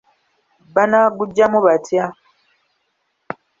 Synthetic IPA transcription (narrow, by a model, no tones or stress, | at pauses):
banaɡuɟːamuβatja